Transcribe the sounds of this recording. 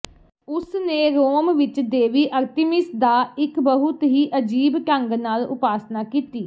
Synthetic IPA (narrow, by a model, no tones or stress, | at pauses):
ʊsnẽːɾoːmʋɪt͡ʃd̪eːʋiːʔəɾt̪ɪmɪsd̪aːɪkbəɦʊt̪ɦiːʔəd͡ʒiːbkə̃ŋɡnaːlʊ̰paːsnaːkiːt̪iː